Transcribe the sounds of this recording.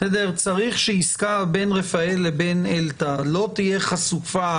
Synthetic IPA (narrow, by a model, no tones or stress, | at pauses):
ɛd̪eʁt͡saʁiχʃeiskaʁbe̞nʁefaelebenelt̪alo̞t̪ijeχasufa